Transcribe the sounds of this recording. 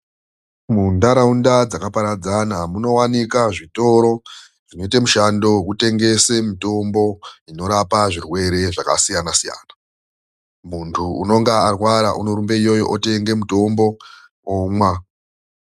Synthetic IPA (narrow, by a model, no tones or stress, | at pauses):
mundaɾaundad͡zakapaɾad͡zanamuno̞wanikaʐito̞ɾo̞ | ʐ̥ino̞itamuʃando̞kute̞ŋɡe̞semito̞mbo̞ino̞ɾapaʐirwe̞ɾe̞ʐaka̰sijanasija̰ːna | muntʰuuno̞ŋɡaarwaɾa̰ʔunoɾumbe̞ijo̞joʔote̞ŋɡe̞muto̞mbo̞ | omwa